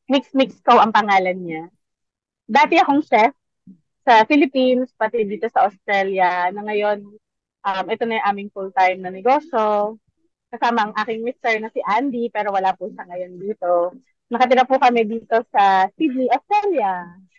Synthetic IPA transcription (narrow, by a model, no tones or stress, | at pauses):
mɪksmɪkskowʔɐŋpɐŋaːlɐnɲa | d̪aːt̪ɛɐkoŋʃɛs | sɐfɪlɪpinspɐt̪ɛd̪iːt̪o̞sɐʔost̪ɾɛljɐnɐŋɐjo̞n | ʔɐmʔɛt̪o̞nɐjŋʔaːmɪŋfult̪ajomnɐnɛɡo̞ːʃo̞ | kɐsaːmɐɐŋʔaːkɪŋmɪst̪ɛɹnɐsɪʔand̪ipɛːɾo̞wɐlaːpuʃɐŋɐjo̞nd̪iːt̪o̞ | nɐkɐt̪ɪɾɐpukɐmɛd̪iːt̪o̞sɐsid̪̚niʔost̪ɾɛljɐ